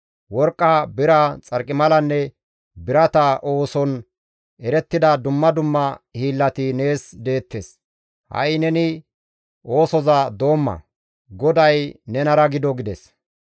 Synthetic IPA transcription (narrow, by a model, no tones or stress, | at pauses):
wɔɾkʼːabɪɾɐt͡sʼɐɾkʼːɪmɐlɐnːɛ | bɪɾɐt̪ɐʔo̞ːsɔn | ɛɾɛt̪ːɪd̪ɐd̪ʊmːɐd̪ʊmːɐhiːlːɐt̪ɪne̞ːsd̪e̞ːt̪ːes | hɐ̰jnɛnɪ | ʔo̞ːsɔzɐd̪o̞ːmːɐ̰ | ɡɔd̪ɐjnɛnɐɾɐɡɪd̪ɔɡɪd̪ɛs